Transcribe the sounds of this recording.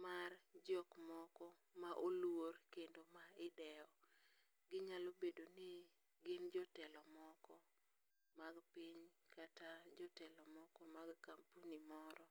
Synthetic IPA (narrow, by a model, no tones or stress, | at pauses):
mard͡ʒɔkmɔkɔ | maʔolworkendomaɪdɛɔ | ɡɪɲalobedonɪ | ɡɪnd͡ʒɔtɛlɔmɔkɔ | maɡpiɲ | katad͡ʒɔtɛlɔmɔkɔmaɡkampunimɔɾɔ